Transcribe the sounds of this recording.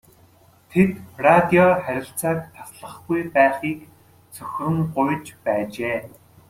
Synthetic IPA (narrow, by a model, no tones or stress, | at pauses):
t̪ʰet̪prat̪iɔχæɾʲɪ̆ɬt͡saːk̚t̪ʰḁsɮə̆χɡujpæːχiːk | t͡sʰɵxʲrɵ̆ŋɢʊjt͡ɕpæːt͡ɕeː